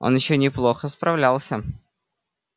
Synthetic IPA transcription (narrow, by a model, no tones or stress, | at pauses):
ʔo̞̰njɪɕːonʲɪplˠo̞xəspɾɐvlʲalˠsʲə